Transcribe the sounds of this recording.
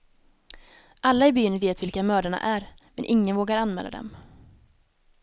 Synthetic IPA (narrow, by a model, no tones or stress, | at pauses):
ʔalːaɪbyːnveːt̪vɪlkamœːɖaɳa̰ʔæɾmɛnʔɪŋːənvoːɡaɾanmɛ̰ːlːa̰d̪ɛ̰m